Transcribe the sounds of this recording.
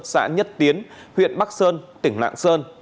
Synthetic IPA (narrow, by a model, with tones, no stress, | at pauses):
t̚sa̰ː˧˥ɲə˦˥t̚t̪i˨˦ən | hwḭ˧˨ənɓa˦˥k̚səː˧nt̪ï˧˩ŋ̟la̰ː˧˨ŋsəː˧n